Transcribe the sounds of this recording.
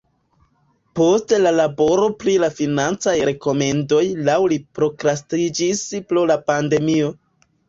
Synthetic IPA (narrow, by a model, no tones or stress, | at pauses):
po̞stelalabo̞ɾo̞pɾilafinant͡sajɾe̞ko̞me̞ndo̞jlawlipɾo̞kɾastid͡ʒispɾolapande̞mio̞